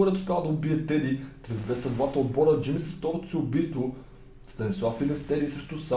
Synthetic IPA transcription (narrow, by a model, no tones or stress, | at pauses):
oɾɛt̪o̥spʲjalˠd̪ɐʊbiɛt̪ɛd̪it̪ɾɛvvɛsɐd̪vat̪əlˠbɔɾəd͡ʒimisəst̪ɔɾot̪ʊ̥siʊbijst̪vo | st̪ɐnʲɛswafilʲɛft̪ɛd̪isɾɛʃt̪usa